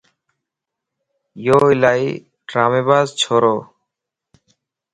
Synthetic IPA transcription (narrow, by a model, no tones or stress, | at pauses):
joːilaj | ɖɾaːmebaːzt͡ɕʰoɾoː